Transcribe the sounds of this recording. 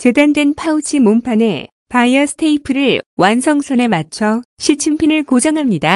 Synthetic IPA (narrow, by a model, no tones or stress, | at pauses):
t͡ɕe̞dandwe̞npʰaut͡ɕʰimompʰane̞ | pajʌsʰtʰeipʰɯɾɯɭwansʰʌŋsʰʌne̞mat͡ɕʰʌɕʰit͡ɕʰimpʰinɯɭkod͡ʑʌŋɦamɲida